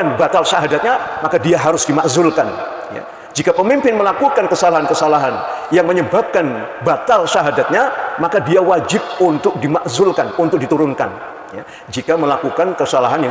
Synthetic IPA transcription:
anbat̪alʃaɦadat̪̚ɲamakadiaɦaɾʊsdimaʔzʊlkan | ja̰ | d͡ʒikapəmimpɪnməlakukankəsalaɦankəsalaɦanjaŋməɲəbap̚kanbat̪alʃaɦadat̪̚ɲamakadiawad͡ʒɪp̚unt̪ʊk̚dimaʔzʊlkanunt̪ʊk̚dit̪uɾʊnka̰n | ja̰ | d͡ʒikaməlakukankəsalaɦanja

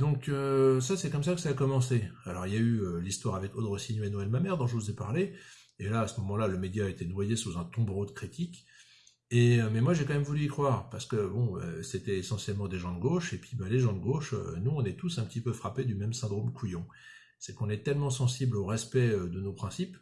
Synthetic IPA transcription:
d̪ɔ̃køsasɛkɔms̬akəsaːkɔmɑ̃sealɔʁiljayølist̪waʁavɛkod̪ʁəsinenɔɛlmamɛʁd̪ɔ̃ʒəvuzepaʁle | elaːsəmɔmɑ̃laləmed̪jaːet̪enwajesuzɛ̃t̪ɔ̃bʁod̪əkχit̪ik | emɛmwaʒekɑ̃mɛmvulyikχwaːʁpaʁsə̥kəbɔ̃ø̰set̪ɛesɑ̃sjɛlmɑ̃d̪eʒɑ̃d̪əɡoʃepɥibaleʒɑ̃d̪əɡoʃø̰nuɔ̃nɛt̪usɛ̃pət̪ipøfχaped̪ymɛmsɛ̃d̪ʁomkʰujɔ̃ | sɛkɔ̃nɛt̪ɛlmɑ̃sɑ̃sibloʁɛspɛød̪ənopχɛ̃sip

